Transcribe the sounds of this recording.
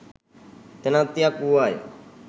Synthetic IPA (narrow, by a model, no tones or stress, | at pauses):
t̪enãːt̪ijaːkuːaːjo̰